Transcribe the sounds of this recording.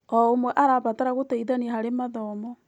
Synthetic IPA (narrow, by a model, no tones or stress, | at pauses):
ɔomwɛʔaɾaβataɾaɣotaiðanihaɾemaðɔmɔ